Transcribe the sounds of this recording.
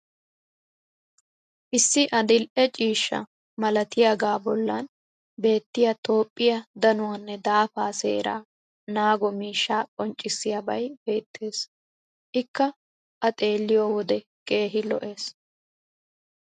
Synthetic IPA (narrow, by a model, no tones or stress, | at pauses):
ʔɪsːɪʔɐd̪ɪlʔɛt͡ʃʼiːʃːɐ̰ | mɐlɐt̪ɪjaːɡaːbɔlːɐn | be̞ːt̪ːɪjat̪o̞ːpʼːɪjɐd̪ɐnʊwɐnːɛd̪aːfaːsḛːɾa̰ː | naːɡɔmiːʃːaːkʼɔnt͡ʃʼːɪsːɪjabɐjbe̞ːt̪ʰːe̞ːs | ʔɪkːɐ | ʔɐt̪ʼe̞ːlːɪjoːwɔd̪ɛ | kʼe̞ːɦɪlɔʔe̞ːs